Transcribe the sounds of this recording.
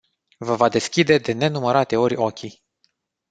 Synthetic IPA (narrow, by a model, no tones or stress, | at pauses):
vəvad̪e̞skʲid̪e̞d̪e̞ne̞numəɾat̪e̞o̞rʲokʲi